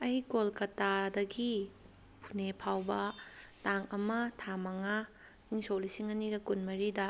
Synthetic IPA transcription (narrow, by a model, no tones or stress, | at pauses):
ɐjkolkɐtadɐɡi | pʰunepʰawbɐtaŋɐmɐtʰamɐŋa | iŋsowlisiŋɐniɡɐkunmɐɾidɐ